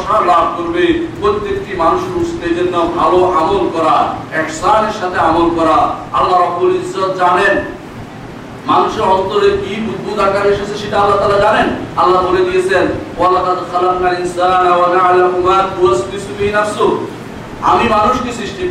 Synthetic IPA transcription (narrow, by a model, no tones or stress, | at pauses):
ʃalab̚ʱkoɾbepɾojt̪ːjek̚ʈimanuʃeɾust̪ed͡ʑenːabʱaloʔamolkɔɾaɛhsaneɾʃat̪ʰeamolkɔɾaa̰lːaɾɔbːulizːat̪d͡ʑanen | manuʃeɾɔnt̪oɾeɾkibud̪ʱːud̪akaɾeɾʃasʰeʃeʈaalːat̪aːlad͡ʑanenalːakoɾed̪ijet͡ɕʰenwalaqad̪xalaqnalinsanawanaalakumat̪uast̪isubiinaso | a̰mimanuʃkisɾiʃʈi